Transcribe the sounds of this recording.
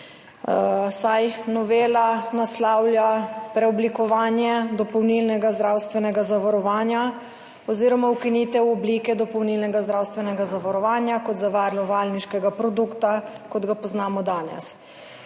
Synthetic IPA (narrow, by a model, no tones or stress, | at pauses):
sajnɔʋeːlanaslawlʲjapɾɛɔblikɔʋaːnjɛd̪ɔpɔwnilnɛɡazd̪ɾaːwst̪ʋɛnɛɡazaʋaɾɔʋaːnja | ɔziːɾɔmawkiniːt̪ɛwɔbliːkɛd̪ɔpɔwniːlnɛɡazd̪ɾawst̪ʋɛnɛɡazaʋaɾɔʋaːnjakɔt̪zaʋaɾlɔʋalniʃkɛɡapɾɔd̪ukt̪akɔd̪ɡapɔznaːmɔd̪aːnɛ̰s